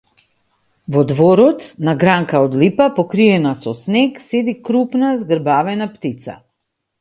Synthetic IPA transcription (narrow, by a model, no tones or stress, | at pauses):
vɔd̪vɔɾɔt̪naɡɾaŋkaɔd̪lipapɔkɾiɛnasɔsnɛksɛd̪ikɾupnazɡəɾbavɛnapt̪it̪sa̰